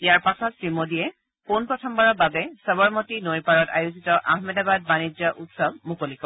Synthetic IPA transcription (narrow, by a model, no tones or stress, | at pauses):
ijaɹpasɔtsɹimodijɛ | ponpɹɔtʰɔmbaɹɔbabɛsɔbɔɹmotinojpaɹɔta̰juzitɔʔaɦmɛdabad̚banid͡ʒɔʔutsɔb̚mukolikɔ